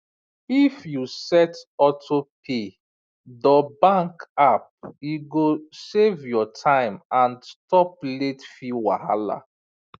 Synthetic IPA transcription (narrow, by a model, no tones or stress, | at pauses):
ifjusɛtɔtʰopʰe | dɔbãŋkap̚iɡosevjɔtʰãɪ̃mãnstɔp̚letfiwa̰ha̰la̰